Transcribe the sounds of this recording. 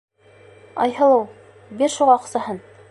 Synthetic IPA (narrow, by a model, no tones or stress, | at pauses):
ɑ̰jhɤ̆lˠɤw | biɾʃuʁɑːqsɑhɤn